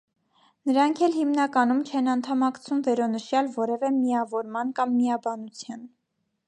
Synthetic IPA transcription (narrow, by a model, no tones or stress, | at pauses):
nəɾɑŋkʰɛlhimnɑkɑnumt͡ʃʰɛnɑnt̪ʰɑmɑkt͡sʰumvɛɾɔnəʃjɑlvɔɾɛvɛmiɑvɔɾmɑnkɑmːiɑbɑnut͡sʰjɑn